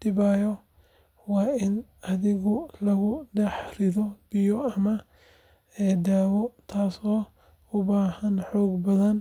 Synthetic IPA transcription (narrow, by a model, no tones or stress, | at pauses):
d̪̥ɪβaːjɔ | wɑːɪnɐðɪɣʊlɐɣʊɖɛħrɪðɔb̥ɪjɔɐmɐ | ɛd̪aːwɔt̪ʰaːsɔː | ʊbaːhɐnħɔːɡbɐðɐn